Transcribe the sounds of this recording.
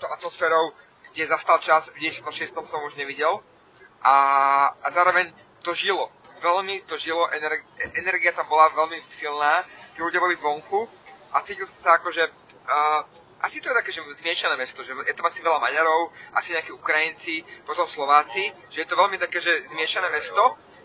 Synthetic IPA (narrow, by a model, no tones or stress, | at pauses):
t̪ɔʊʔat̪mɔsfɛːɾɔʊ | ɡ̥ɟɛzast̪alt͡ʃazvɟɛcɛsiat̪ɔmʃɪɛst̪ɔmsɔmuʒɲɛʋiɟɛl | ʔaazaːɾɔʋɛɲ | t̪ɔʒilɔ | ʋɛlmit̪ɔʒilɔʔɛnɛɾɡɛnɛɾɡiat̪ambɔlaʋɛlmisilnaːt̪iluɟɪjabɔlivʋɔŋku | at͡siːcilˠsɔmsaakɔʒɛː | ʔasit̪ɔjɛt̪akɛːʒɛzmɪɛʃanɛːmɛst̪ɔʒɛjɛt̪amasiʋɛlama̰ɲaɾɔʊʔa̰siɲɛakiːukɾajint͡sipɔt̪ɔmfslɔʋaːt͡si | ʒ̥ɛjɛt̪ɔʋɛʎmit̪akɛːʒɛzmɪɛʃanɛːmɛst̪ɔ